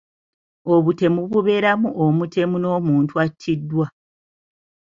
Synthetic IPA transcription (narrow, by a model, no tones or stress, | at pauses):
o̞βute̞muβuβe̞ːɾamuʔomutʰe̞muno̞ːmuːntuatʰːidːwa